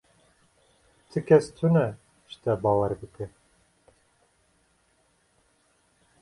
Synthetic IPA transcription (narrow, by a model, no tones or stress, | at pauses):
t̪ʰɨkʲʰɛst̪ʰunɛ | ʃt̪ʰɛbɑːwɛɾbɨkɨ